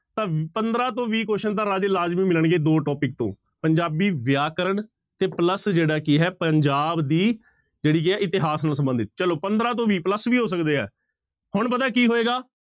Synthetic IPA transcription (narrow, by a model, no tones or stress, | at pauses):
t̪ãːpənd̪ɾaːt̪õːʋiːkoːʃənt̪ãːɾaːd͡ʒeːlaːd͡ʒʋĩːmɪləɳɡeːd̪oːʈɔːpɪk̚t̪õ̰ː | pəɲd͡ʒaːbiːʋjaːkəɾəɳ | t̪eːpləsd͡ʒeːɽaːkiɦɛːpəɲd͡ʒaːbd̪iː | d͡ʒeːɽiːk̬ɪɛːɪt̪ɪɦaːsnaːsəmbə̃nd̪ɪt̪t͡ʃəloːpənd̪ɾãːt̪̬õːʋiːpləsʋiːɦoːs̬əkd̪eːɦɛ̰ː | hʊɳpət̪aɛːkiːɦoːeːɡaː